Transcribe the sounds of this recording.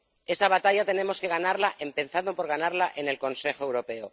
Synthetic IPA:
e̞saβat̪aʝat̪e̞nẽ̞mo̞ske̞ɣanaɾlaʔe̞mpe̞nθaðopo̞ɾɣanaɾlaʔe̞nelko̞nse̞xoe̞wɾo̞pe̞o

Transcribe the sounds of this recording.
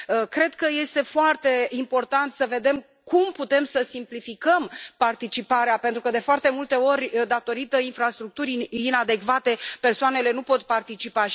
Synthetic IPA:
əkɾe̞d̪̚kəje̞st̪e̞foart̪e̞impo̞rt̪ant̪səve̞d̪e̞m | kumput̪e̞msəsimplifikəmpart̪it͡ʃipaɾeape̞nt̪ɾukəd̪e̞foart̪e̞mult̪e̞o̞rʲd̪at̪o̞ɾit̪əinfɾast̪ɾuk̚t̪uɾinad̪e̞kvat̪e̞pe̞rsoane̞le̞nupo̞t̪part̪it͡ʃipa

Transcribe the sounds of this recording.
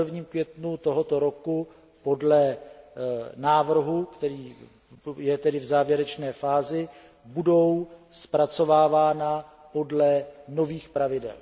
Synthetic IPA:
rvɲiːmkvjɛt̪nut̪o̞ɦot̪o̞ɾo̞ku | po̞dlɛ | naːvr̩ɦukt̪ɛɾiː | jɛt̪ɛdɪvzaːvjɛɾɛt͡ʃnɛːfaːzɪ | budo̞wspɾat͡so̞vaːvaːna | po̞dlɛno̞viːxpɾavɪdɛ̰l

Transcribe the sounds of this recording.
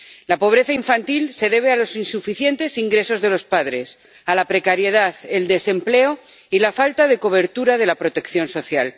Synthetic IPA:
lapo̞β̞ɾe̞θaiɱfant̪ilse̞ðe̞β̞ealo̞sinsufiθje̞nt̪e̞siŋɡɾe̞so̞zðe̞lo̞spað̞ɾe̞s | alapɾe̞kaɾje̞ð̞aθe̞ld̪e̞se̞mple̞o | ilafalt̪aðe̞ko̞β̞e̞ɾt̪uɾaðe̞lapɾo̞t̪e̞kθjo̞nso̞θjal

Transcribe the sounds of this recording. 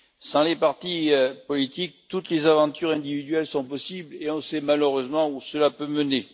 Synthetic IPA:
sɑ̃lepaʁt̪ipɔlit̪ik̚t̪ut̪lezavɑ̃t̪yʁɛ̃d̪ivid̪ɥɛlsɔ̃pɔsibleɔ̃sɛmaløʁøzmɑ̃usəlapøməne

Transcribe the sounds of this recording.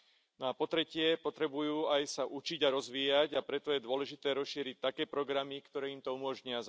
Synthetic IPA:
nɔapɔt̪ɾɛcɪɛpɔt̪ɾɛbujuːajsaʔut͡ʃiɟaɾɔzʋiːjaɟapɾɛt̪ɔjɛd̪ʊɔlɛʒit̪ɛːɾɔsʃiːɾic̚t̪akɛːpɾɔɡɾamikt̪ɔɾɛːimt̪ɔumɔʒɲɪaz

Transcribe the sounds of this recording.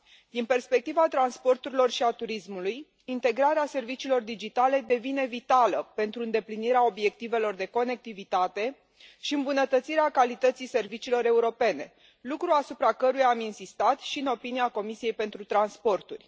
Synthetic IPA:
d̪inpe̞rspe̞k̚t̪ivat̪ɾanspo̞rt̪uɾilo̞rʃiat̪uɾismuluj | int̪e̞ɡɾaɾease̞rvit͡ʃiːlo̞rd̪id͡ʒit̪ale̞d̪e̞vine̞vit̪aləpe̞nt̪ɾuɨnd̪e̞pliniɾeao̞bje̞k̚t̪ive̞lo̞rd̪e̞ko̞ne̞k̚t̪ivit̪at̪e̞ | ʃiɨmbunət̪ət̪siɾeakalit̪ət̪sijse̞rvit͡ʃiːlo̞ɾe̞uɾo̞pe̞ne̞ | lukɾuasupɾakəɾujaminsist̪at̪ʃiɨno̞piniako̞misije̞jpe̞nt̪ɾut̪ɾanspo̞rt̪urʲ

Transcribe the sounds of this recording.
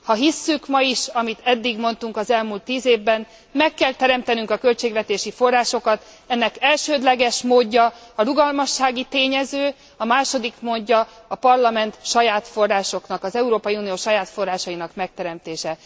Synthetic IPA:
hɒɦisːykmɒjiʃɒmit̪ʰɛd̪ːiɡmo̞nt̪uŋkɒzɛlmult̪ːiːzeːvbɛn | mɛkːɛlt̪ɛɾɛmt̪ɛnyŋkɒkø̞lt͡ʃeːɡvɛt̪eːʃifo̞rːaːʃo̞kɒt̪ | ɛnːɛkɛlʃøːd̪lɛɡɛʃmoːɟːɒɒɾuɡɒlmɒʃːaːɡit̪eːɲɛzøː | ɒmaːʃo̞d̪ikmoːɟːɒ | ɒpɒrlɒmɛnt̪ʃɒjaːt̪fo̞rːaːʃo̞knɒkɒzɛuɾoːpɒjiuːnijoːʃɒjaːt̪fo̞rːaːʃɒinɒkmɛk̚t̪ɛɾɛmt̪eːʃɛ

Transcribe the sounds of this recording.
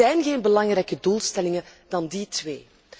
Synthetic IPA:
ɛjnɣeːnbəlɑŋrɛjkəduːlˠstɛlɪŋəd̥ɑnditweː

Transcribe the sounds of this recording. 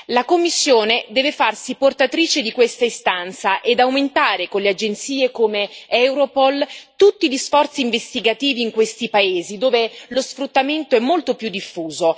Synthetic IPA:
lakomːisːjoːned̪ɛːvefarsiport̪at̪ɾiːt͡ʃed̪ikwest̪aist̪ant̪saʔed̪awment̪aːɾekonlead͡ʒent̪siːekoːmeɛwɾopɔlt̪ut̪ːiʎisfɔrt̪siːɱvest̪iɡat̪iːviːŋkwest̪ipaeːzid̪oːvelosfɾut̪ːament̪oɛmːolt̪opjud̪ːifːuːzo

